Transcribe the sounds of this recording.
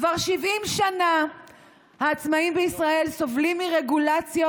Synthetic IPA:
vaʁʃivimʃana | haːt͡smaimbeisʁae̞lso̞vlimːiʁeɡulat͡sja

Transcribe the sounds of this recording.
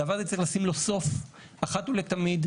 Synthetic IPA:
avaʁɐzet͡seeχlasimlo̞so̞f | aχat̪ulekt̪amid̪

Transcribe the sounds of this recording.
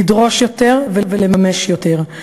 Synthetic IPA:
idʁo̞ʃjo̞t̪e̞ʁvevelemameʃjot̪eʁ

